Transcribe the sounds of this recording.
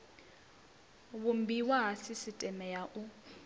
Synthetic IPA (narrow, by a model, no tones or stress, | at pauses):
βumbiwaɦasisitʼɛmɛjaʔu